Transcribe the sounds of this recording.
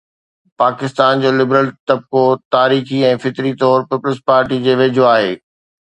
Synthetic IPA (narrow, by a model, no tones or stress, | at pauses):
paːkɪst̪aːnd͡ʑoːlɪbɾəlt̪ɐb̚kot̪aːɾiːxiɛ̃ːfɪt̪ɾit̪ɔːɾpiːpʊlspaːɾʈid͡ʑeːʋeːd͡ʑʱoaːɦeː